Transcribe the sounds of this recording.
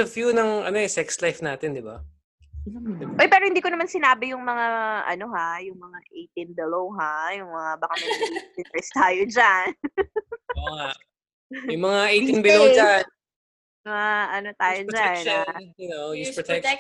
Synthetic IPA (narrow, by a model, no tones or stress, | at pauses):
ɐfjunɐŋɐ̰noʔɛsɛkslajfnaːt̪ɛnd̪ɪba̰ | ɪʔojpɛːɾo̞hɪnd̪iːkonɐmansɪnaːbɪjʊŋmɐŋaʔɐ̰no̞ɦajʊŋmɐŋaʔejt̪ɪnbɛlowɦajʊŋmɐŋabɐkamɐɪnɛst̪aːjod͡ʒan | oa | jʊŋmɐŋaʔej̪inbɛlod͡ʒan | mɐŋaʔɐnot̪aːjod͡ʒanajnojist̪ɛk̚